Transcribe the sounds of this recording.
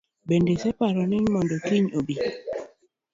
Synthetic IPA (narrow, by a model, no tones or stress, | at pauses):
bendesɛpaɾɔnɪɲmɔndɔkiɲobi